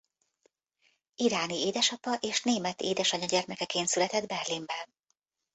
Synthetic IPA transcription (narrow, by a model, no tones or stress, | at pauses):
iɾaːnieːd̪ɛʃɒpɒʔeːʃneːmɛt̪eːd̪ɛʃɒɲɒɟɛrmɛkɛkeːnt̪sylɛt̪ɛd̪bɛrlimbɛl